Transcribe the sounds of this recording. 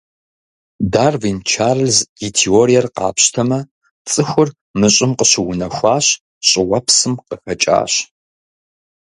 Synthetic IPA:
daːrvint͡ʃʰaːrɨlzitʰioːɾijɛrqɑ̰ːpɕtʰɐmɐ | t͡sʼɨxʷʊr | mɨɕʼɪmqəɕɪwʊnɐxʷɑːɕ | ɕʼɪwɐpʰsɨmqəxɐt͡ʃʼa̰ːɕ

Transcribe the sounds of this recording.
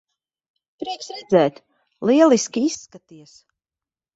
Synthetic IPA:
pɾiɛksɾɛd̪zɛːt̪ | lˠiɛlˠiskʲiisːkat̪iɛs

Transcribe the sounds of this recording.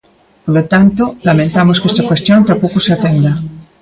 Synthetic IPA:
polot̪ant̪olamẽnt̪amoskest̪akwest̪jont̪apokoseat̪end̪a

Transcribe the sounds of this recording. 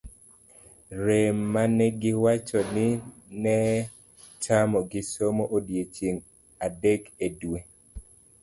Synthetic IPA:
ɾemːanɛɡɪwat͡ʃɔnɪnɛ | tamɔɡɪsomoʔodjet͡ʃeŋ | adɛkedwe

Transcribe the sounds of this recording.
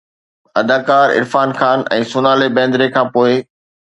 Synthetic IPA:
ɐd̪aːkaːɾɪ̰ɾfaːnxaːnɛ̰̃ːsʊnaːlebɛ̃ːnd̪ɪɾekʰãːpoːɪ

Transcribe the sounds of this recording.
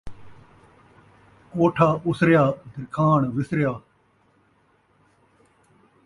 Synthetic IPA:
koːʈʰaːʊsɾɪjaːd̪ʱɪɾkʰaːɳʋɪsɾjaː

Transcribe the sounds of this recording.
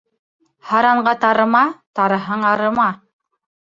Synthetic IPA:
hɑɾɑɴɢɑt̪ɑɾɤ̆mɑt̪ɑɾɤ̆ɦɤɴɑɾɤ̆mɑ

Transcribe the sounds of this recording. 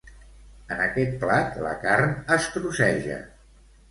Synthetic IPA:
ənəkɛt̪̚plat̪lə̰karnəsk̪ɾusɛʒə̰

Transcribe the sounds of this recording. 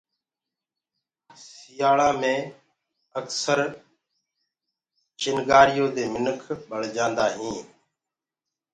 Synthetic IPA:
sɪjaːɭãːmẽː | əksəɾ | t͡ʃɪnɡaːɾɪjoːd̪eːmɪnəkʰɓəɽ̤d͡ʒãːnd̪aːɦĩː

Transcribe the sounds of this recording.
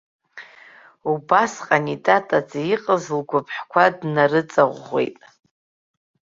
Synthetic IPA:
ubasqʼanitʼatʼat͡sʼjiqʼəzlɡʷʊpʰħkʷʰadnaɾɨt͡sʼaʁʷːḛjtʼ

